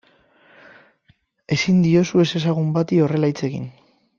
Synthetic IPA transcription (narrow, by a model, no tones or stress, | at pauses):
e̞sind̪io̞sue̞se̞s̬aɣ̞umbat̪io̞re̞lajt͡se̞ɣḭn